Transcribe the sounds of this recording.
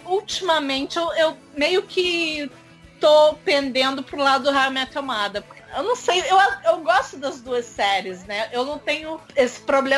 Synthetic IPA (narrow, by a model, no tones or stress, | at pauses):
ut͡ʃimɐmẽnt͡ʃɪewewmejʊkʰɪ | t̪opẽnd̪ẽnd̪ʊpɾʊlad̪ʊd̪ʊɦamɛ̃ɐt̪ɐmad̪ɐpʊ̥keewnɐ̃w̃sejewaewɡɔst̪ʊd̪ɐzd̪uɐsɛɾɪznɛewnɐ̃w̃t̪ẽɲʊesɪ̥pɾoblẽ